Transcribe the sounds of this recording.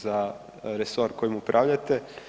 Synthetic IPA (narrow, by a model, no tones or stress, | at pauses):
za | ɾeso̞ɾko̞jimupɾʔaʋʎat̪e̞